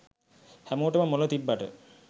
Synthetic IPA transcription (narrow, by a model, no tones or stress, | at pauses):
hæmoːʈəməmolət̪ibːaʈə̰